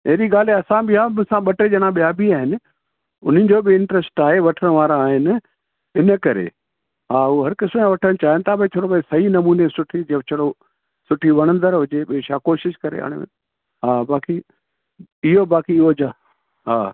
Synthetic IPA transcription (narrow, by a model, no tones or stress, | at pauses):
eɦɾiɠaːl̤eɐsãbɪɦasãɓɐʈed͡ʑɐɽ̃ãɓijaːbʱiaːɦɪnɪ̆ | ʊ̰n̤ə̃n̆d͡ʑoːbɪɪ̃ɳʈɾəsʈaːɦeʋɐʈʰəɽ̃ʋaːɾãːɦɪnɪ̆ | ɪnə̆kɐɾḛ | ɦaːuɦɐɾkɪsõãʋɐʈʰəɽ̃t͡ɕaːɦɪənɪt̪ʰabt͡ɕʰoːɽopɐesɐɦinɐmuːnesʊʈʰid͡ʑɐt͡ɕʰɐɽo | sʊʈʰiʋɐɽ̃ə̃nd̪əɾɦʊd͡ʑeɓioʃaːkoːʃɪʃkɐɾḛa̰ːɽ̃ḛmḛ̃ | ɦaːbaːki | ɪɦobaːkiɪɦod͡ʑaː | ɦaː